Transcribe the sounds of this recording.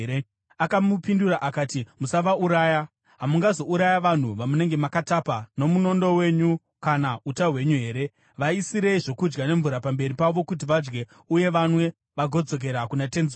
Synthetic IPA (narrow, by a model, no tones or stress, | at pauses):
ɾe | akamupinduraʔakaːtimusaʋauɾaːja | ɦamuŋɡazo̞uɾajaʋan̤uʋamune̞ŋɡe̞makatapano̞muno̞ndo̞we̞ɲu | kanautaɦwe̞ɲuɦe̞ːɾe̞ | ʋaisiɾe̞iʐo̞kud͡ʒɡane̞ɱvuɾapambe̞ɾipaʋo̞kut̬iʋad͡ʒɡe̞ | uje̞ʋanwe̞ | ʋaɡʱo̞d͡zo̞k̬e̞ɾakunate̞nz